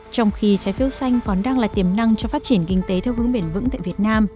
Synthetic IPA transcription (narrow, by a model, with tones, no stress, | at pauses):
t͡ɕɔ˧wŋ͡mxi˧t͡ɕaː˨˦jfi˧ə˧wsa˧jŋ̟kɔ˨˩nɗaː˧ŋlaː˨˩jt̪i˧˩əmna˧ŋt͡ɕɔ˧faː˦˥t̚t͡ɕi˧˩ənkï˧ŋ̟t̪e˨˦t̪ʰɛ˧wɦɨ˨˦əŋɓe˧˩nvɨ̰˧˥ŋt̪a̰ː˧˨vi˨˩ət̚naː˧m